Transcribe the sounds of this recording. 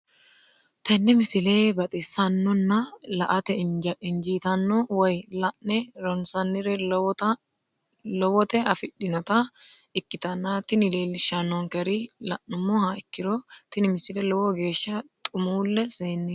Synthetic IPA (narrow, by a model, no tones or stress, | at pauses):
t̪ɐnːɛmɪsɪleːbɐt̪ʼɪsːɐnːɔnːɐlɐʔɐt̪ɛɪnd͡ʒiːt̪ɐnːɔwɔjlɐʔɛɾɔnsɐnːɪɾɛ | lɔwɔt̪ɛɐfɪɗɪnɔt̪ɐ | ɪkːɪt̪ɐnːat̪ɪnɪle̞ːlːɪʃːɐnːɔŋkɛɾɪlɐʔʊmːɔhaɪkːɪɾɔt̪ɪnɪmɪsɪlɛlɔwɔɡe̞ːʃːɐt̪ʼʊmuːlːɛseːnːi